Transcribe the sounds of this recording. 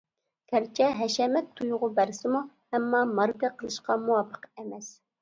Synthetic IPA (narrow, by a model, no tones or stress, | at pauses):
kʲʰæɾt͡ʃʰɛɦɛʃɛmɛt̪ʰːujʁʊbæɾsɪmu | ɛmːɑːmɑɾkɑqʰəlˠɨʃqɑmuwɑpʰːə̥qɛmɛs